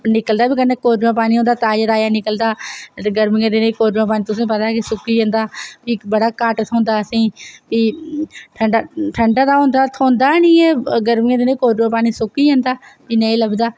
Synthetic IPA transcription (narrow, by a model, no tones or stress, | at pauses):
nɪkəld̪aːbiːkənːeːkoːɾjãːpaːniːɦõːnd̪aːt̪aːd͡ʒəɾaːjaːnɪkəld̪aːɡəɾmɪjãːd̪eːnãiːkoːɾjãːpaːnĩːt̪ʊsĩːpət̪aːkisʊkːiːə̃ːnd̪aːpiːbəɽaːkaːʈt̪ʰõːnd̪aːəsĩːpiːʈʰəɳɖaʈʰəɳɖaːd̪aːɦõːnd̪aːt̪ʰõːnd̪aːnĩːeːɡəɾmɪːãd̪eːnãiːkoːɾãːpaːniːsʊkiːə̃ːnd̪aːpiːnəĩləbd̪aː